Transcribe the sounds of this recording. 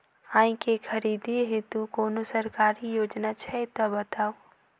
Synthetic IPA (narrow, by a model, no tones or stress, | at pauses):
ãːĩkekʰɐɾid̪ʱiɦet̪ukoːnosəɾkaːɾijoːd͡ʒnat͡ʃʰɛt̪ɔbət̪aːo